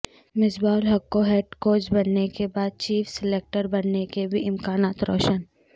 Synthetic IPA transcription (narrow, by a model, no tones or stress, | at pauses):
mɪsbaːlɦɐkːoɦeːʈkoːt͡ʃbɐnːekebaːd̪̚t͡ʃiːfʰsɪleːk̚ʈəɾbɐnnekebʱiʔɪmkaːnaːt̪ɾɔ̰ːʃən